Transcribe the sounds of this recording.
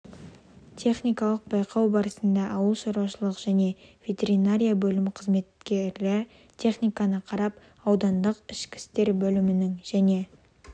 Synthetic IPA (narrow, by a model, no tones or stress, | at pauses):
t̪ʰe̞χnijkɑlˠəq̚bɑjqʰɑwbɑɾəsənd̪ɑʔɑwəlˠʃoɾuwɑʃəlˠəqʒ̥æne̞v̥ʲe̞t̪ʲe̞ɾinaɾʲijabɵlɪmqʰəzme̞t̪̚kʲe̞ɾlɪɾ | t̪ʲʰe̞χnijkɑnəqʰɑɾɑp | ɑwd̪ɑnd̪əqɪʃkʲɪ̥st̪e̞ɾbɵlɪmɪnɪŋʒæne̞